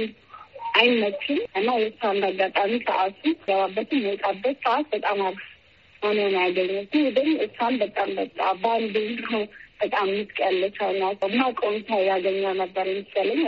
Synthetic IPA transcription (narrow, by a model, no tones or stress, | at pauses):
ʔajnːət͡ʃʰːɪmʔɨnːajɛɨsand̪aɡat̪ʼamisʰə̰ʔasuɡəβabːət̪ʰɨmjot̪ʼabːət̪səat̪bət̪ʼamaβ | anonjaɡəɲːɛɡɨwd̪ɨmɨsanbət̪ʼambət̪ʼːa̰band̪ɨɾob̥ət̪ʼamːɨt̪kʼəlːəsʰəwɨnat͡ʃːəɨnːakʼont̪ʰajaɡəɲːawnəbːəɾɛmɨst͡ʃalːəɲː